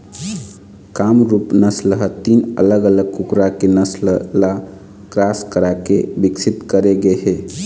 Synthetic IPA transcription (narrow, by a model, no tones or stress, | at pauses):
kamɾupnəsləɦət̪inə̰ləɡələɡ̚kukɾakenəslla | kɾaskəɾakebiksit̪kəɾeɡeɦe